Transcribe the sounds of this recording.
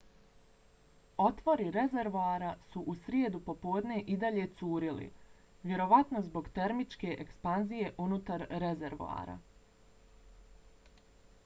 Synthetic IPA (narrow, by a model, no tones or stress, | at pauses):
o̞t̪ʋo̞ɾiɾe̞ze̞ɾʋoaɾasuʔusɾjeːd̪upo̞poːd̪ne̞ʔid̪aʎe̞t̪suːɾilḭ | ʋje̞ɾo̞ʋat̪no̞zbo̞ɡt̪e̞ɾmit͡ʃke̞ʔekspanzije̞ʔunut̪aɾːeze̞ɾʋo̰a̰ːɾa̰